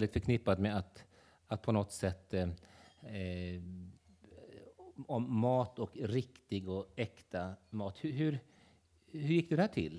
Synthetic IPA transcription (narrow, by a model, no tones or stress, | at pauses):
lɪɡt̪fœɾkʰnɪpːad̪meat̪ | at̪̚pʰɔnɔt̪sɛt̪ː | ɔmːɑːt̪ɔkɾɪkt̪ɪɡɔɛkt̪amɑːt̪hɵɦɵɾ | hɵɾjɪkːd̪ɛd̪ɛhæːʈʰɪ̰lː